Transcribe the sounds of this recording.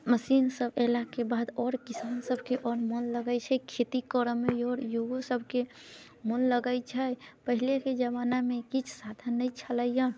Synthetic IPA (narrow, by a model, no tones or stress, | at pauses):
məsiːnsəbelakebaːd̪ɔːɾkisaːnsəbʱkeʔɔːɾmonləɡəjt͡ʃʰɛkʰet̪ikɔɾəmːejɔːɾjoɡosəbʱke | monləɡət͡ʃʰəpəɦileked͡ʒəβanamẽkit͡ʃʰsad̪ʰʱənːəit͡ʃʰələjə̃